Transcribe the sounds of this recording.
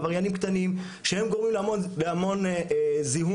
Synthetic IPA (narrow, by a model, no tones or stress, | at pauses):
vaʁjanimkt̪anim | ʃehe̞mɡoʁmimleamonleamo̞nziɦu